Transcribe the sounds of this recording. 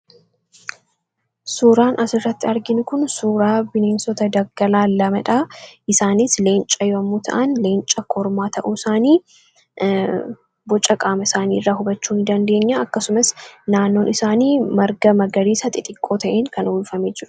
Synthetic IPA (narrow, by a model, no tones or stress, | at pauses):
suːɾaːnʔɐsɪrːɐt̪ːɪɐɾɡɪnʊkʊnsuːɾaːbɪneːnsɔt̪ɐd̪ɐɡɐlaːlɐmɐᶑaːʔɪsaːnisle̞ːnt͡ʃʼːɐjɔmːuːt̪ʰɐ̰ʔɐnleːnt͡ʃʼɐkʰɔɾmaːt̪ʰɐʔuːɪsaːniː | bɔt͡ʃʼːɐkʼaːmɐɪsaːniːrːaːɦʊbɐt͡ʃːuːnd̪ɐnd̪e̞ːɲːaɐkːɐsʊmɐsnaːnːo̞ːnʔɪsaːniːmɐɾɡɐmɐɡɐɾiːsɐt̪ʼɪt̪ʼɪkʼːo̞ːt̪ʰɐʔeːŋkɐnʊlfɐmeːd͡ʒɪɾʊ̥